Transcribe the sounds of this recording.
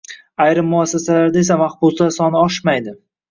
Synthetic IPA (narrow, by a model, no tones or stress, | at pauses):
ajɾɪmːʊasːasalaɾd̪aesamaχbʊzlaɾsɒnɪɒʃmajd̪ɪ